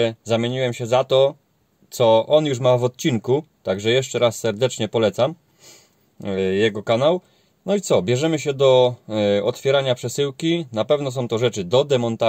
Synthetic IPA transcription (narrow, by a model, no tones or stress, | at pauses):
zamʲeɲiwɛmɕɛzat̪ɔ | t̪sɔʔɔnjuʂmavɔt̪̚t͡ɕiŋkut̪aɡʐɛjɛʂt͡ʂɛɾasːɛɾd̪ɛt͡ʂɲɛpɔlɛt̪sam | jɛɡɔkanaw | nɔit̪sɔbʲjɛʐɛmɘɕɛd̪ɔ | ɔt̪fʲjɛɾaɲapʂɛsɘwkʲinapɛvnɔsɔ̃w̃t̪ɔʐɛt͡ʂɘd̪ɔd̪ɛmɔnt̪a